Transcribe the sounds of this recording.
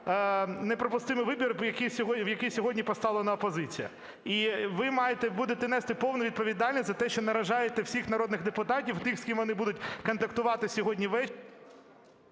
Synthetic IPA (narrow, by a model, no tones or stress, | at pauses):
nepɾɔpʊst̪ɪmɨʋɪbʲirjɐkijsʲɔɦɔwjɐkijsʲɔɦɔdʲnʲipɔst̪ɑʋlˠenɐɔpɔzɪt͡sʲḭjɐ̰ | iʋɪmɑjet̪ɛbud̪et̪ɛnɛst̪ɪpɔwnʊʋʲid̪̚pɔʋʲid̪ɑlʲnʲisʲzɐt̪ɛʃt͡ʃɔnɐɾɐʒɑjet̪ɛwsʲixnɐɾɔd̪nɪɣd̪epʊt̪ɑtʲiwt̪ɪxsʲkʲimʋɔnɪbud̪ʊtʲkɔnt̪ɐkt̪ʊʋɑt̪ɪsʲɔɦɔdʲnʲiʋɛ